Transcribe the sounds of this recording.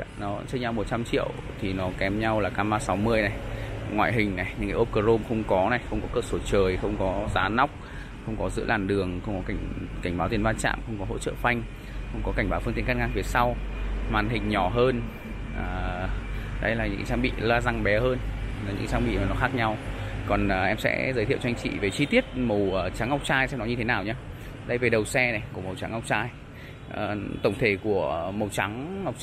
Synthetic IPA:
nɔ˨˦˧t͡ɕəː˧ɲa˧wmo˨˩t̚t͡ɕa˧mt͡ɕḭ˧˨əw | t̪ʰi˨˩nɔ˨˦kɛ˨˦mɲa˧wlaː˨˩kaː˧maː˧sa˨˦wmɨ˧əjna˨˩jŋwa̰ː˧˨jɦï˨˩ŋ̟na˨˩jɲɨ̰˧˥ŋkaː˨˦ʔo˦˧˥p̚kəː˧zo˧mxə˧wŋ͡mkɔ˨˦na˨˩jxə˧wŋ͡mkɔ˨˦kəː˧˩so˧˩t͡ɕəː˨˩jxə˧wŋ͡mkɔ˨˦zaː˨˦na˦˥wk͡p̚ | xə˧wŋ͡mkɔ˨˦zɨ̰˧˥laː˨˩nɗɨ˨˩əŋxə˧wŋ͡mkɔ˨˦ka˧˩ŋka˧˩ŋ̟ɓa˨˦wt̪i˨˩ənvaː˧nt͡ɕa̰ː˧˨mxə˧wŋ͡mkɔ˨˦ɦo̰˧˥t͡ɕə̰ː˧˨fa˧jŋ̟ | xə˧wŋ͡mkɔ˨˦ka˧˩ŋ̟ɓaː˨˦wfɨ˧ŋt̪i˧˨ə˦ka˦˧˥nŋʔaː˧vi˨˦sa˧wmaː˨˩nɦï˨˩ŋ̟ɲɔ˧˩ɦəː˧n | ʔəː˨˩ | ɗə˨˦jlaː˨˩ɲɨ̰˧˥ŋt͡ɕaː˧ŋɓḭ˧˨laː˧za˧ŋɓɛ˨˦həː˧n | aː˨˩ɲɨ̰˧˥t͡ɕaː˧ɓḭ˧˨ɔ˨˦nɔ˨˩xaː˦˥k̚ɲa˧wkɔ˨˩nː˨˩ʔɛ˧msɛ̰˧˥zəː˨˦t̪ʰḭ˧˨wt͡ɕɔ˧ŋ̟t͡ɕḭ˧˨ve˨˩t͡ɕi˧t̪i˦˥ət̚mə˨˩wəː˨˩t͡ɕa˨˦ŋa˧wk͡p̚t͡ɕaː˧jsɛ̰˧mnɔ˨˦jɲɨ˧t̪ʰe˨˦naː˨˩wɲaː˧ | ɗə˧jve˨˩ɗə˨˩wsɛ˧nɛ˨˩ku˧˩əmə˨˩wt͡ɕa̰˨˦ŋa˧˩wk͡p̚t͡ɕaː˧j | ʔə˨˩t̪ə˧˩wŋ͡mt̪ʰe˧˩ku˧˩əmə˨˩wt͡ɕa˨˦ŋː˨˩k͡p̚

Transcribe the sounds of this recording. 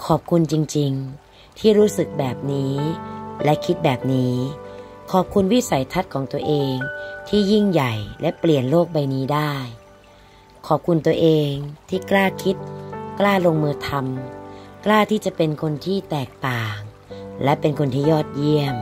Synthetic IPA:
kʰɔː˨˩p̚kʰu˧nt͡ɕi˧ŋt͡ɕi˧ŋ | t̪ʰiː˥˩ɾuː˦˥sɯ˨˩k̚bɛː˨˩p̚niː˦˥lɛ˦˥ʔkʰi˦˥t̪̚bɛː˨˩p̚niː˦˥ | kʰɔː˨˩p̚kʰu˧nwi˦˥sa˨˦jt̪ʰa˦˥t̪̚kʰɔː˩˦ŋt̪u˧ɐəʔeː˧ŋt̪ʰiː˥˩ji˥˩ŋja˨˩jlɛ˦˥pli˨˩ənloː˥˩k̚ba˧jniː˦˥daː˥˩j | kʰɔː˨˩p̚kʰu˧nt̪u˧ɐəʔeː˧ŋt̪ʰiː˥˩klaː˥˩kʰi˦˥t̪̚klaː˥˩lo˧ŋmɯː˧t̪ʰa˧mklaː˥˩t̪ʰiː˥˩t͡ɕa˨˩pe˧nkʰo˧nt̪ʰiː˥˩t̪ɛː˨˩k̚t̪aː˨˩ŋ | lɛ˦˥pe˧nkʰo˧nt̪ʰiː˥˩jɔː˥˩t̪̚ji˥˩əm

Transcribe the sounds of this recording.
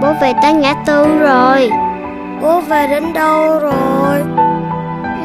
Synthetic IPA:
ɓo˨˦ve˨˩t̪aː˧˦ŋa̰ː˧˥t̪ɨ˧˩ŋzo˨˩j | ko˨˦veː˨˩ɗe˨˦nɗə˧wzo˨˩j

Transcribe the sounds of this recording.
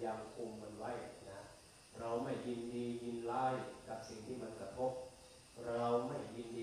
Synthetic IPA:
jaː˧mkʰu˧mːa˧nwa˦˥˩jna˦˥ | ɾa˧wma˥˩jːi˧ndiː˧ji˧nlaː˦˥jka˨˩p̚si˨˩˦ŋt̪ʰiː˥˩ma˧nkɾa˧t̪ʰo˦˥p̚ | ɾa˧wma˥˩jːi˧ndiː˧

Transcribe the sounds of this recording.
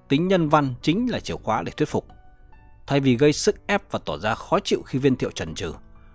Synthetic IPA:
t̪ï˨˦ŋ̟ɲə˧nva˧nt͡ɕï˨˦ŋ̟laː˨˩t͡ɕi˧˩əwxwaː˨˦ɗe˧˩t̪wi˦˥tfʊ˨˩k͡p̚ | t̪ʰa˧˩jvi˨˩ɣə˧jsɨ˦˥k̚ʔɛ˦˥p̚vaː˨˩t̪ɔ˧˩zaː˧xɔ˨˦t͡ɕḭ˧˨wxi˧vi˧nt̪ʰḭ˧˨wt͡ɕə˨˩nt͡ɕɨ̰˨˩

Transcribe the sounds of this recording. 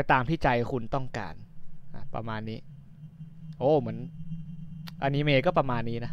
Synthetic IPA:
a˧jt̪aː˧mt̪ʰiː˥˩t͡ɕa˧jkʰu˧nt̪ɔ˥˩ŋka̰ː˧nʔa̰˨˩pɾa̰˧maː˧nːiː˦˥ | ʔoː˧˩mɯ˩˦ən | ʔa˧niː˦˥meː˧kɔː˥˩pɾa˧maː˧nːiː˦˥na˦˥

